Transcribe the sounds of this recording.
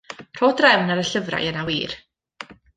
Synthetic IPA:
r̥oːdrɛwnaɾəɬəvra̰jənawiːr

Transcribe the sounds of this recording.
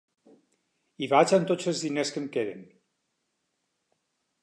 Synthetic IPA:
iβat͡ʃant̪od͡zəlzðineskəmkeɾḛn

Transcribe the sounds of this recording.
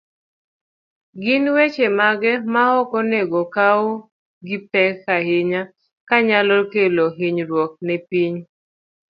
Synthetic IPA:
ɡɪnwet͡ʃemaɡɛmahɔkɔneɡɔkao | ɡɪpɛkːahɪɲa | kaɲalɔkeloɦɪɲɾwɔk̚nɛpiɲ

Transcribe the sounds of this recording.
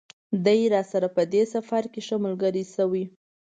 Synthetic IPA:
d̪ajɾɑsaɾapəd̪esafaɾkeʃamulɡəɾisəwi

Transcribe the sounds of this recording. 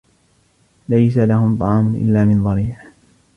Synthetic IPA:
lajsalahʊmt̪ˤɑʕɑːmʊnʔɪ̰lːaːmɪnðˤɑɾiːʕ

